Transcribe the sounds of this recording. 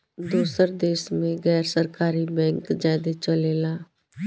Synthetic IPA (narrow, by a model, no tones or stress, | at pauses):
d̪uːsəɾd̪eːʃmẽɣɛːɾsəɾkaːɾibɛ̃ːŋkd͡ʒaːd̪et͡ʃɐleːlaː